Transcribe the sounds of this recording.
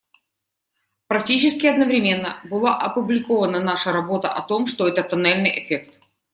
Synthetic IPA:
pɾɐk̚tʲit͡ɕɪskʲɪɐd̪nəvɾʲɪmʲe̞nːə̰bɨlˠaʔɐpʊblʲɪko̞vənənaʂəɾɐbo̞t̪ə̰ʔɐt̪o̞mʂt̪oɛt̪ət̪ɐnɛlʲnɨjʔɪfʲekt̪

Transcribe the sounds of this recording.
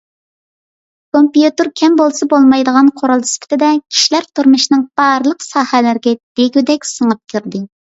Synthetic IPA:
kʰompjut̪ɨɾkʲʰɛmbolˠsɑbolˠmɑjd̪əʁɑnqʰoɾɑlˠd̪ɨspʰɪ̥t̪ʰɪd̪ɛkʲʰi̥ʃilæɾt̪ʰuɾmɨʃnɨŋb̥ɑɾlˠəqsɑːhɛlɪɾɡʲɛd̪̥eɡʲyd̪ɛkʲsəŋɨp̚kʲʰiɾd̪ɨ

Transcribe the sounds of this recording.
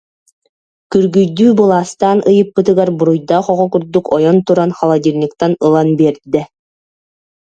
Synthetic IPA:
kyɾɡyjd̪yːbɯlˠaːst̪aːnʔɯjɯpːɯt̪̬ɯɡaɾbuɾujd̪aχɔʁɔkuɾd̪ukɔjɔnt̪uɾanχalˠad̪ʲiɾnʲikt̪anɯlˠanbiɛɾd̪ɛ

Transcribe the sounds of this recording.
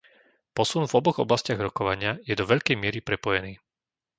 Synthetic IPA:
pɔsunvɔbɔɣɔblascɪaɣɾɔkɔʋaɲɪajɛd̪ɔʋɛʎkɛjmɪɛɾipɾɛpɔjɛniː

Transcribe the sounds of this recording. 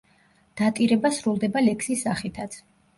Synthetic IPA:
d̪̥at̪ʼiɾɛbasɾulˠd̪ɛbalɛkʰsisːaχit̪ʰat̪sʰ

